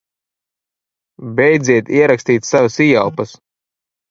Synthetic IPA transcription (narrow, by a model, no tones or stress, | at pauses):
bɛjd̪ziɛt̪iɛɾakst̪iːt̪savasijawpɐs